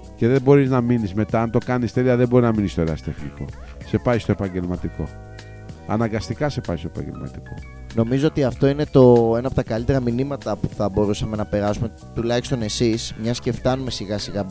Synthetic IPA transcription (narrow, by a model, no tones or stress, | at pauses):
ce̞ðebo̞ɾiznɐminizme̞t̪ɐɐnt̪o̞kɐnist̪e̞liɐðebo̞ɾiznɐminist̪oɾeɐst̪e̞xniko̞̰ | se̞pɐist̪oe̞pɐɲɟe̞lmɐt̪iko̞̰ | ɐ̰nɐŋɡɐst̪ikɐse̞pɐist̪o̞epɐ̰ɲɟelmɐ̰t̪i̥ko̞̰ | no̞mizo̞o̞t̪iɐft̪o̞ine̞t̪o̞e̞nɐpot̪ɐkɐlit̪e̞ɾɐminimɐt̪ɐpuθɐbo̞ɾusɐme̞nɐpe̞ɾɐsume̞ | t̪ulɐçi̥st̪o̞ne̞sismɲɐsce̞ft̪ɐnume̞siɣɐsiɣɐ